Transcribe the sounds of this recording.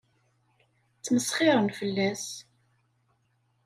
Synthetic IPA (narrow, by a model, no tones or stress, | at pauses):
t͡sːməsχɪɾˤənfəlːæs